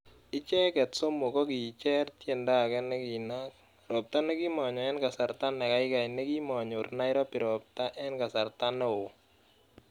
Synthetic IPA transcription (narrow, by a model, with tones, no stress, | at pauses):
ɪ˦t͡ʃɛ˦kɛ˨tso˦mo˨kɔ˦ki˨t͡ʃɛ˦rtje˦˨nda˦˨kɛ˦nɛ˦ki˨na˦k̚ | ɾɔ˨p̚ta˦nɛ˦ki˦mɔ˨ɲɔ˨ɛ˦nka˨sa˨ɾta˦nɛ˨ka˦ɪ˦ka˨inɛ˦ki˦mɔ˨ɲo˨rna˦ɪ˦ɾɔ˦pɪ˨ɾɔ˨p̚ta˦ʔɛ˦nka˨sa˨rta˦nɛ˦o˨